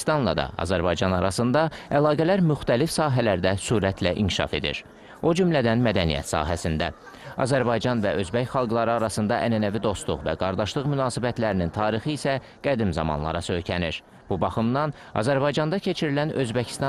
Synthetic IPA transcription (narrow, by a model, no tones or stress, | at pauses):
st̪ɑnlˠɑ̰d̪ɑ̰ɑ̰zæɾbɑjd͡ʒɑnɑɾɑsɯnd̪ɑælˠɑːɡælæɾmyxt̪ælifsɑːɦælæɾd̪æsuːɾæt̪ʰlæʔiŋcʰi̥ʃɑ̰fe̞̰d̪ḭɾ | o̞d͡ʒymlæd̪ænmæd̪ænḭjæ̰t̪sɑ̰ːɦæsind̪æ | ɑ̰zæɾbɑjd͡ʒɑnvæʔø̞zbæçχɑlˠɡlˠɑɾɯɑɾɑsɯnd̪ɑʔænænævid̪o̞st̪lˠuʁvæ̰ɡɑɾd̪ɑʃlˠɯʁmynɑːsibæt̪læɾinint̪ʰɑːɾixɯisæ | ɡ̥æd̪imzɑ̰mɑ̰nlˠɑ̰ɾɑsø̞jcʰæniɾ | b̥ubɑχɯmnɑn | ɑ̰zæɾbɑjd͡ʒɑnd̪ɑcʰe̞t͡ʃʰiɾilænø̞zbæcʰi̥st̪ɑ